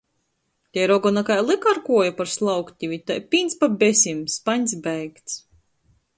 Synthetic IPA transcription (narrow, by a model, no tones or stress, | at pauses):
t̪ʲɛjɾɔɡɔnakajlˠɨkaɾkuɔjapaɾslˠawkt̪ʲivʲit̪ajpʲiːnspabʲesʲimspaɲʲsbɛjkt̪s